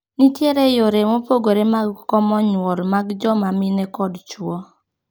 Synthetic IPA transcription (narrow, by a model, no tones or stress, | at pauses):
nitjeɾejoɾemopoɡoɾemaɡkɔmɔɲwɔlmaɡd͡ʒɔmamɪnɛkɔdt͡ʃwɔ